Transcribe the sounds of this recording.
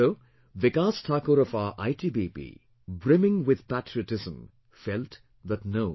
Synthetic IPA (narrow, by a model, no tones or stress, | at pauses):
o | ʋɪkaːstʰaːkoɾʌfaʔa̰jʈiːbipḭ | bɾɪmɪ̃ŋwɪd̪̥pætʰɾiəʈɪzə̃m | fɛlt | ðətno